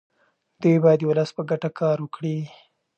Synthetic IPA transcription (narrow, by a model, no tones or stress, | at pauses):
d̪̥ujbɑjad̪wʊləspəɡaʈakʰɑɾwəkɽi